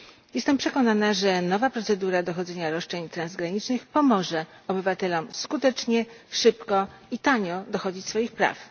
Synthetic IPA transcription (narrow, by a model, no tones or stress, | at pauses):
jɛst̪ɛmpʂɛkɔnanaʐɛnɔvapɾɔt̪sɛd̪uɾad̪ɔxɔd̪zɛɲaɾɔʂt͡ʂɛɲt̪ɾanzɡɾaɲit͡ʂnɘxpɔmɔʐɛɔbɘvat̪ɛlɔmskut̪ɛt͡ʂɲɛʂɘpkɔit̪aɲɔd̪ɔxɔd͡ʑit͡ɕsfɔjixpɾa̰f